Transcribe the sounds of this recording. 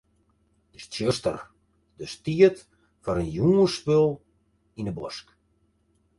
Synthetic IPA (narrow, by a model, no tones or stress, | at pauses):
d̥əstjøstə̰r | dəstiət | fɔɾənjuːəspølˠ | inəbɔsk